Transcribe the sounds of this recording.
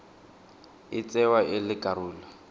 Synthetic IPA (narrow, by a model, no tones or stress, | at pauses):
ɪt͡sʼɛwaʔɪlɪkʼaɾuːlɔ